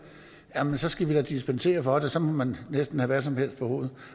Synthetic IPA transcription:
jæmensɒ̽sɡ̥æʋid̥ɑd̥isb̥ense̝̰ːɐfɒ̽d̥esɒ̽mɒ̽mænnesd̥n̩hæʋæɐs̬ɒ̽mhe̝l̰̥pʰɒ̽ho̝ːð̞̩ˠ

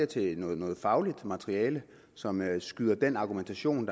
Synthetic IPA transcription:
ɐt͡sʰe̝nɔ̽ːðˠnɔ̽ːð̩ˠfɑ̈ʊlid̥mæt͡sʰʁiɛːlə | sɒ̽msɡ̥yðˠɐd̥enɑ̈ɡ̥ument͡sʰæɕo̝̰ːnd̥ɑ

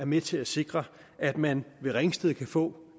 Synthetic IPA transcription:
æɐmet͡sʰe̝æse̝ɡ̥ʁɐ | æd̥mænʋe̝ʁeŋsd̥eðˠkʰæfɔ̰̽ː

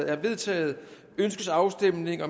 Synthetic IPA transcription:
æʋe̝ðˠt͡sʰɛ̰ːð̩ˠ | ønsɡ̥əsɑ̈ʊsd̥emne̝ŋɒ̽m

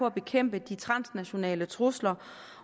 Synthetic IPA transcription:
ɒ̽æb̥e̝kʰem̰b̥əd̥it͡sʰʁɑ̈n̰snæɕo̝nɛ̰ːlət͡sʰʁuslɐ

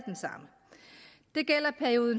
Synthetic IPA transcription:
d̥ensɑ̈m̰ə | d̥e̝ɡ̥el̰ɐpʰæɐio̝ːðˠn̩

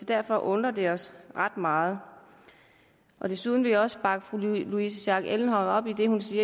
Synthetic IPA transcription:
ɒ̽d̥æɐfɒ̽ʔɔ̽nd̥ʁɐd̥e̝ɒ̽sʁɑ̈d̥mɑ̈ːð̞̩ˠ | ʔɒ̽d̥e̝suðˠn̩ʋe̝jɒ̽sə̥b̥ɑ̈ɡ̥əfʁuluis̬əɕɑ̈ɡ̥eln̩ɦɒ̽ɒ̽b̥id̥e̝hunsiːɐ

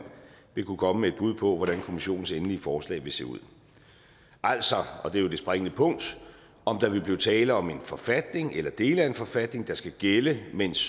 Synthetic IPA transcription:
n̰ | ʋe̝kʰukʰɒ̽məmee̝d̥̚b̥uð̞̰ˠpʰɒ̽ʋɒɾ̥ænkʰo̝miɕo̝̰ːn̩senliəfɒːslɛ̰ːɪʋe̝se̝̰ːuð̰ˠ | ʔæl̰sɒ̽ɒ̽d̥e̝jo̝d̥e̝sb̥ʁaŋənəpʰɔ̽ŋ̰d̥ | ɒ̽md̥ɑ̈ʋe̝b̥liːt͡sʰɛːləɒ̽me̝nfɒ̽fæd̥ne̝ŋelɐd̥e̝ːləæe̝nfɒ̽fæd̥ne̝ŋd̥ɑ̈sɡ̥æɡ̥eləmen̰s

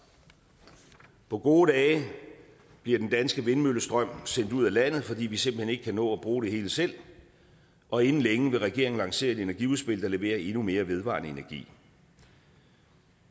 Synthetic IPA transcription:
pʰɒ̽ɡ̥o̝ːd̥ɛː | b̥liɐd̥end̥ænsɡ̥əʋe̝nmøləsd̥ʁɶm̰sen̰d̥uð̞̰ˠælæn̰ð̩ˠfɒ̽dḭːʋise̝mb̥l̩he̝ne̝ɡ̥ə̥kʰænɔ̰̽ːɒb̥ʁuːɾ̥e̝he̝ːləsel̰ | ɒ̽e̝nn̩leŋəʋe̝ʁɛɡ̥e̝ɐ̰eŋn̩lɑ̈ŋse̝̰ːɐe̝de̝næɐɡ̥iuðˠsb̥e̝l̰d̥ɐle̝ʋe̝̰ːɐʔe̝nume̝ːɐʋe̝ð̞ˠʋɑ̰̈ːnəe̝næɐɡ̥ḭː

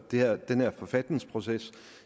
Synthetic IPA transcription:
d̥e̝hæɐd̥enæɐfɒ̽fæd̥ne̝ŋspʰʁo̝ses

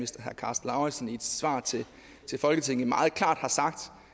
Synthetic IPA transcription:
isd̥ɐɦæɐkʰɑ̈ːsd̥lɑ̈ʊesnied̥sʋɑ̰̈ːt͡sʰe̝ | t͡sʰe̝lfɒ̽lɡ̥ət͡sʰe̝ŋ̰n̩mɑ̈ːð̩ˠkʰl̥ɑ̰̈ːd̥hɑ̈sɑ̈ɡ̥d̥

